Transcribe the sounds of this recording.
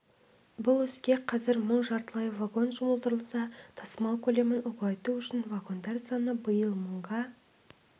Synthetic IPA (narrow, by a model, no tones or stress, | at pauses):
bʊlˠʏzkʲeqʰɑzɪɾməɴʒɑɾt̪əlˠɑjvaɡo̞nʒʊməlˠd̪əɾəlˠsɑt̪ʰɑsəmɑlˠkʲʰɵle̞mɪnʊqlˠɑjt̪uʏʃɪnvaɡo̞nd̪ɑɾsɑnəbəjəlˠməɴʁɑ